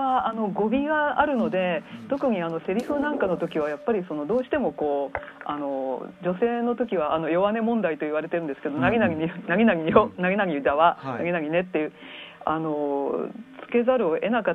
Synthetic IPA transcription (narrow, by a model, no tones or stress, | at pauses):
aano̞ɡo̞bʲiɡaːɾɯ̟no̞d̪e̞t̪o̞kɯ̟ɲ̟iano̞se̞ɾʲiɸɯ̟nãŋkano̞t̪o̞kʲiβ̞ajapːaɾʲiso̞no̞d̪o̞ːɕi̥t̪e̞mo̞ko̞ːano̞d͡ʑo̞se̞ːno̞t̪o̞kʲiβaʔano̞jo̞βane̞mõ̞nd̪ait̪o̞iβaɾe̞t̪eɾɯ̟nd̪sɨ̥ke̞d̪o̞naɡʲinaɡinaɡʲinaɡʲionaɡʲinaɡʲidaβanaɡʲinaɡʲine̞t̪ːejɯ̟ | ano̞ | t͡sɨ̥ke̞zaɾɯ̟oʔe̞naka